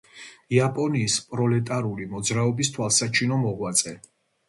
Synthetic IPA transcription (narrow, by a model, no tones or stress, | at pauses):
iapʼɔniːspʼɾɔlɛt̪ʼaɾulimɔd̪zɾaɔbist̪ʰwalˠsat͡ʃʰinɔmɔʁwat̪sʼɛ